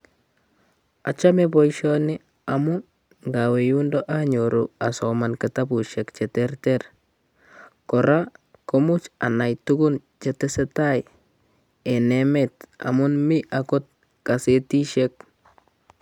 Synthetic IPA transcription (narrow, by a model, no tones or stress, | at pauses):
at͡ʃamebɔjʃɔnɪ | amu | ŋɡawejundoʔaɲoɾuasɔmankatabuʃɛkt͡ʃɛtɛrter | kɔɾa | komut͡ʃa̰najtukun | t͡ʃetɛsetaj | enɛmeta̰munmiʔakot̚ | kasetiʃek̚